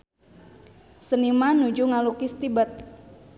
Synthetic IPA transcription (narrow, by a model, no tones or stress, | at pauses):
sənimanud͡ʒuŋalukist̪ibət̪̚